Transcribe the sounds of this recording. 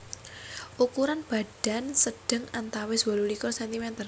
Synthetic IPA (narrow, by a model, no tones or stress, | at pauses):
ʔukuɾanb̥ä̤ɖ̥a̤nsəɖ̥ə̤ŋant̪awɪswɔlulikɔrsɛnt̪imɛnt̪ər